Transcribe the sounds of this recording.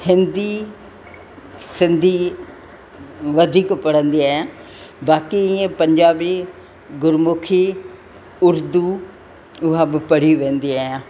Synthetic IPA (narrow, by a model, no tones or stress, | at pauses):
hɪnd̪iː | sɪnd̪iː | ʋəd̪ʱiːkpəɽənd̪iːɛ | baːkiːẽːpəɲd͡ʒaːbiː | ɡʊɾmʊkʰiː | ʊɾd̪uː | ʊɦabpəɽiːʋẽːnd̪iːɛ